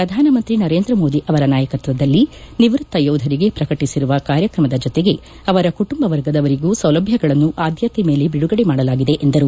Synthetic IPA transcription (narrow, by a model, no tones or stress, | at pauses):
pɾɐd̪ʱaːnɐmɐnt̪ɾinɐɾeːnd̪ɾɐmo̞ːd̪iʔɐʋɐɾɐnaːjɐkɐt̪ʋɐd̪ɐlːiniʋɾut̪ːɐjowd̪ʱɐɾiɡe̞pɾɐkɐʈisiɾuʋɐkaːɾjɐkɾɐmɐd̪ɐd͡ʒɔt̪eɡe̞ | ɐʋɐɾɐkuʈumbɐʋɐɾɡɐd̪ɐʋɐɾiɡuːsɐwlɐbʱjɐɡɐɭɐnːuʔaːd̪ʱjɐt̪eme̞ːle̞biɽuɡɐɽemaːɽɐlaːɡid̪e̞ʔend̪ɐɾu